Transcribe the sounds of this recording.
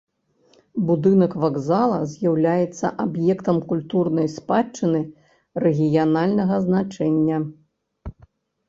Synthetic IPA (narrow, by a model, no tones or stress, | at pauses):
bud̪ɨnɐkvaɡzalˠɐ̰zʲjawlʲajɛt̪sːɐ̰ʔabjɛkt̪ɐmkulʲt̪urnɐjspat͡ʂːɨnɨ | rɛɣʲijanalʲnɐɣɐznat͡ʂɛnʲːɐ